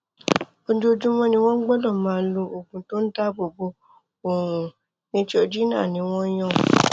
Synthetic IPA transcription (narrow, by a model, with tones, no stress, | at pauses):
o˦d͡ʒo˦˧d͡ʒũ˦mɔ̃˦nĩ˧w̃ɔ̃˦ɡ͡bɔ̃˦dɔ̃˦˨mãː˨˦lo˧ʔo˨ɡũ˨to˦n̩˦da˦bo˨bo˧˦ | o˨ɾũ˨ | nĩ˦ti˦o˧d͡ʒi˦nã̰˦˨nĩ˧˦w̃ɔ̃˦j̃ɔ̃˦